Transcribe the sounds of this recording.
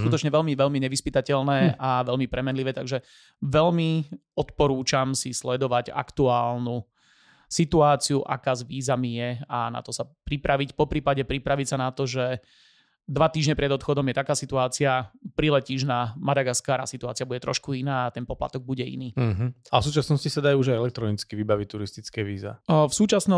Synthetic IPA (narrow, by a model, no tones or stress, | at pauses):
skut̪ɔt͡ʃɲɛʋɛlmiʋɛlmiɲɛʋispit̪acɛlnɛːʔaʋɛlmipɾɛmɛnliʋɛːt̪aɡʒɛ | ʋɛʎmiɔt̪pɔɾuːt͡ʃamsislɛd̪ɔʋaɟa̰kt̪uaːlnu | sit̪uaːt͡siuʔa̰kaːzʋiːzamijɛana̰t̪ɔsapɾipɾʔaʋicpɔpɾiːpaɟɛpɾipɾaʋicsanat̪ɔʒɛ | d̪ʋat̪iːʒɲɛpɾɛd̪ɔt̪xɔd̪ɔmjɛt̪akaːsit̪uaːt͡siapɾilɛciːʒnamad̪aɡaskaːɾa̰ːsit̪uaːt͡siabuɟɛt̪ɾɔ̰ʃkuinaːat̪ɛnpɔpla̰t̪ɔɡ̚buɟɛḭniːɦ̩afsuːt͡ʃasnɔscisad̪ajuuʒajɛlɛk̚t̪ɾɔnit͡skiʋibaʋic̚t̪uɾist̪it͡skɛːʋiːza̰fsuːt͡ʃasnɔ